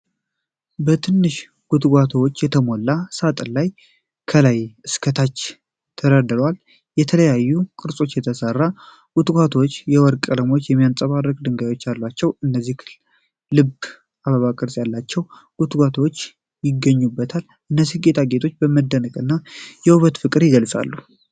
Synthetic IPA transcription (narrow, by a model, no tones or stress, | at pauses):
bət̪ʰɨnːɨʃ | ɡ̥ut̪ɡʷat̪ʰəwot͡ʃːjɛt̪ʰəmolːasat̪ʼəlaj | kʰəlajɨskʰət̪ʰat͡ʃː | t̪ʰəɾad̪əlwal | jɛt̪ʰələjajːukʼɨɾsʼo̞t͡ʃːjɛt̪ʰəsərːa | ɡ̥ut̪ɡʷat̪ʰwot͡ʃːjɛwɔɾkʼələmo̞t͡ʃːjɛmːijant͡sʼəβarːəkʼd̪ɨŋɡajo̞t͡ʃːjalːat͡ʃːɛwɨnːəzːik | lɨb | ʔaβəβakʼɨɾsʼjalːat͡ʃːɛw | ɡ̥ut̪ɡʷat̪ʰəwot͡ʃː | jɪɡːəɲːubːət̪ʰal | ʔɨnːəzːihɡe̞t̪ʰaɡe̞t̪ʰo̞t͡ʃːbəməd̪ːənəkʼɨnːajɛuβət̪fɨkʼɨɾjɪɡəlsʼa̰lːu